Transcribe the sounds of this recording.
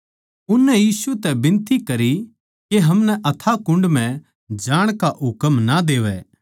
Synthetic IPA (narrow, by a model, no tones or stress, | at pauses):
ʊnːɛjiːsut̪ɛbɪ̃nt̪ikɐɾi | keɦɐmnɛʔɐt̪ʰakʊ̃ɳɖmɛ̃ | d͡ʒaːɽ̃kaʔɦʊkəmnad̪eːʋɛ